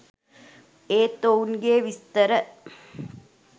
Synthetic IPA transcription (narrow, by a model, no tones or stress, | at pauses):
eːt̪ounɡeːʋist̪əɾə